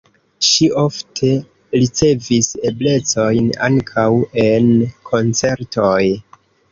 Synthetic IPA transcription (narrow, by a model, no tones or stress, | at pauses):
ʃiʔo̞ftʰe̞ | ɾit͡se̞vise̞ble̞t͡so̞jna̰ŋkʰawe̞nkʰo̞nt͡se̞ɾtʰo̞j